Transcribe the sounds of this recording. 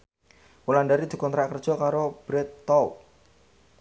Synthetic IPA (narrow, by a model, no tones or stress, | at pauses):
wulanɖaɾid̪̥ṳkɔnt̪ɾaʔkərd̥ʒ̥ɔ̤kaɾob̥ɾɛt̪ːɔw